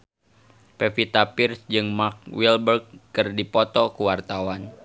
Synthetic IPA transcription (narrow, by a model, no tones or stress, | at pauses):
pɛfit̪apirsd͡ʒɨŋmak̚wilbərɡ̚ːɨrdipɔt̪ɔkuwart̪awan